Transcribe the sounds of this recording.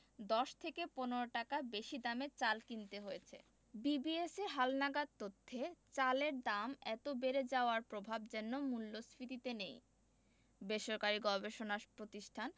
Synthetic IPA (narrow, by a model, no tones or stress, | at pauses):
d̪ɔʃt̪ʰekeponoɾoʈakabeʃid̪ameɾt͡ɕalkint̪eɦojet͡ɕʰḛ | bibieseɦalnaɡad̪̚t̪ot̪ʰːet͡ɕaleɾd̪amɛt̪obeɾed͡ʑaoaɾpɾobʱab̚d͡ʑɛnːomulːosɾit̪it̪enej | beʃoɾkaɾiɡɔbeʃonapɾot̪iʃʈʰan